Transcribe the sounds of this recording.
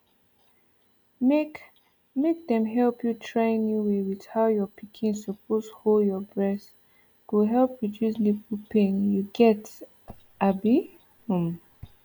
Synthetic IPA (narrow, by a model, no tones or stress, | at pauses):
mek | mek̚dɛ̃mɦɛlpjutʰɹẽnjuwewið̥haʊjɔpikʰĩnsopʰosholdjɔbɹɛs | ɡ̥oɦɛlˠpɹiduslipupʰẽnjuɡɛt | abi | hũm